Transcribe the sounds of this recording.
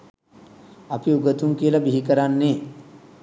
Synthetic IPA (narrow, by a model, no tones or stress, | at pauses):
apiuɡət̪uŋkiəlɐbiɦikəɾanːeː